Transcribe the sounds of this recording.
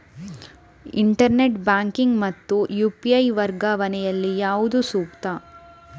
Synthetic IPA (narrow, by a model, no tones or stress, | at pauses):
ḭɳʈɐɾneʈbaːŋkiŋɡmɐt̪ːujuːpiɐjʋɐɾɡɐʋɐnɛjɐlːijaːʋud̪usuːk̚t̪ɐ